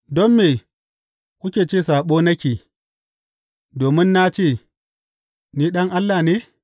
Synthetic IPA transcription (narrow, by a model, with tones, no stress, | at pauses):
dɔ˦mːeː˨ | kʷʊ˦kʲeː˨t͡ʃeː˦˨saː˨ɓoː˦nɐ˦kʲiː˨ | doː˨mɪ˦nːa˦t͡ʃeː˦˨ | niː˦ɗɐ˦ŋʔa˦lːa˨neː˦